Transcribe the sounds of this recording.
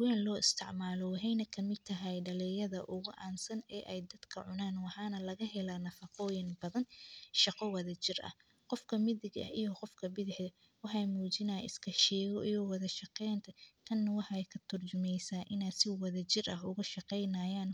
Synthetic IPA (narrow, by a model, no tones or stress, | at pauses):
waːnlɔːɪst̪ʰɪʕmaːlɔwɑɦɛjnɐkʰɐmɪd̪̚t̪ʰɐɦɛjɖɐlɛːjɐðɐʔʊɣʊʔa̰ːnsɐnɛːʔɛjd̪ɐd̪kʰɐʕʊnaːnwɑħɑːnɐlɐɣɐɦɛlaːnɐfɐqɔːjɪnbɐðɐnʃɑqɔwɐðɐt͡ʃɪrʔɐ̰h | qɔfkʰɐmɪðɪɡɐ̰ijɔqɔfkʰɐbɪðɪħðɐ | wɑħɑjmuːt͡ʃɪnɐɪ̰skʰɐʃɛːɣɔʔiwɐðɐʃɑqɛjnt̪ʰɐt̪ʰɐnːɐwɑħjkʰɐt̪ʰʊrt͡ʃʊmɛjsaːʔɪnaːsɪwɐðɐt͡ʃɪrʔɐɦʊɣʊʃɑqɛjnaːjaːn